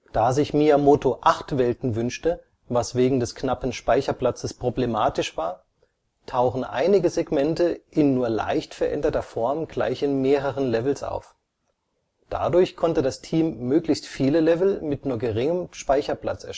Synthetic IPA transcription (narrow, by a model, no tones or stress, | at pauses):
d̥aːzɪçmiːamotoʔaχtv̥ɛltn̩vʏnʃtə | vasv̥eːɡŋ̩dɛsknapn̩ʃpaɪçɐpl̥at͡səspʁ̥oblemaːtɪʃv̥aːɐ | tʰaʊxn̩ʔa̰ɪnɪɡəzeɡmɛntəʔɪnːuːɐla̰ɪçtfɛɐʔɛ̰ndɐtɐfɔɐmɡ̥la̰ɪçɪnmeːʁəʁənlɛvl̩sʔa̰ʊf | d̥a̰dʊɐçkʰɔntədastʰiːmːøːklɪçstfiːləlɛvl̩mɪtnuːɐɡəʁɪŋəmʃpaɪçɐpl̥a̰t͡sɛɐʃ